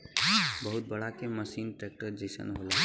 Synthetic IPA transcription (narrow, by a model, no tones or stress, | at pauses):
bəɦut̪̚bəɽakeməsiːnʈɾeːk̚ʈəɾd͡ʒisə̰nɦola